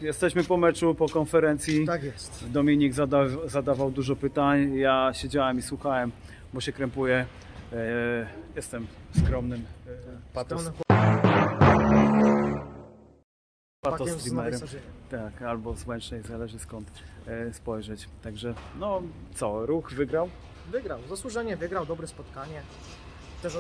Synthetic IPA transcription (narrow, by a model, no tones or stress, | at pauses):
jɛst̪ɛɕmɘpɔmɛt͡ʂupɔkɔnfɛɾɛnt̪sʲji | d̪ɔmʲiɲiɡzad̪azad̪avawd̪uʐɔpɘt̪aɲjaɕed͡ʑawɛmiswuxawɛm | bɔɕɛkɾɛmpujɛ | jɛst̪ɛmskɾɔmnɘmpat̪ɔ | pat̪ɔɾimɛɾɛt̪akalbɔzwɛnt͡ʂɲɛjzalɛʐɘskɔnt̪spɔjʐɛt͡ɕt̪aɡʐɛnɔt̪sɔɾuxvɘɡɾaw | vɘɡɾawzaswuʐɛɲɛvɘɡɾawd̪ɔbɾɛspɔt̪kaɲɛ | t̪ɛ